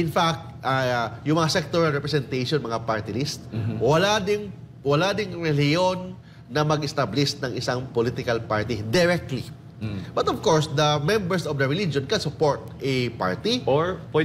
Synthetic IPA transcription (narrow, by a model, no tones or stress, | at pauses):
ʔɪnfak̚t̪̚ʔajʊŋmɐŋasɛk̚t̪oɹalɹɛpɾɛsɛnt̪ejʃonmɐŋapaɹt̪ɪlist̪wɐlad̪ɪŋ | wɐlad̪ɪŋɹɛljonː | ɐmɐɡɪst̪ablɪsnɐŋʔɪsaŋpolit̪ɪkɐlpaɹt̪id̪ɪɾɛk̚t̪li | bɐt̪ɔvkoɹsd̪ɐmɛmbɛɹsʔɔvd̪ɐɹɪlid͡ʒonkɐnsʊpoɹt̪̚ʔɛpa̰ɹt̪ioɹpɛ